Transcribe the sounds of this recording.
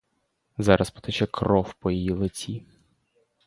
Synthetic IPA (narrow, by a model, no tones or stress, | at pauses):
zɑɾʔɐspɔ̥t̪ɛt͡ʃɛkɾɔwpɔjijilˠet͡sʲi